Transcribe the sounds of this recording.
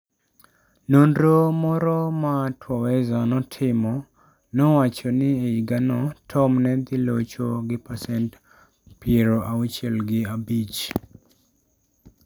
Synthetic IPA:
nondomɔɾɔmatʰwɔwɛzanɔtʰɪmɔ | nɔwat͡ʃɔnɪeiɡanɔtʰɔmnɛd̪ɪlot͡ʃoɡɪpasɛnt | pjeɾoʔawut͡ʃɛlɡɪabit͡ʃ

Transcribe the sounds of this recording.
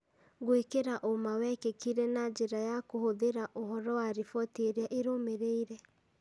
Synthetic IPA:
ɡowekeɾaʔomawɛkekiɾɛnad͡ʒeɾajakohoðeɾaʔoɦɔɾɔwaɾifɔteɾeaʔeɾomeɾeiɾɛ

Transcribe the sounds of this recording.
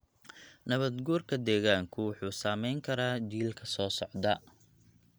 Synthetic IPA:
nɐβɐd̪ɡuːrkʰɐd̪ɛːɣaːŋkʰʊwʊħuːsaːmɛjŋkʰɐɾaːd͡ʒiːlkʰɐsɔːsɔʕd̪ɐ

